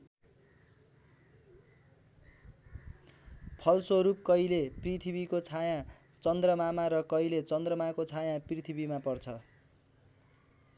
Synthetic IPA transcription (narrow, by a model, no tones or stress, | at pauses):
pʰʌlsoɾup̚kʌjleprit̪ʰibikot͡sʰajã | t͡sʌnd̪rʌmamaɾʌkʌilet͡sʌnd̪rʌmakot͡sʰajãprit̪ʰibimapʌrt͡sʰʌ